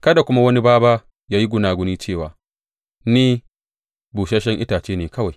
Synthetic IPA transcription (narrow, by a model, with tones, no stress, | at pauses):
kɐ˦da˨kʷʊ˦ma˦wɐ˦ni˦baː˦baː˦ | jaː˦ji˦ɡʷʊ˦naː˨ɡʷʊ˦niː˦t͡ʃeː˦˨waː˨ | niː˦ | buː˨ʃɐ˦ʃɛ˦ŋʔɪ˦taː˨t͡ʃeː˦neː˨kɐ˦wa˨j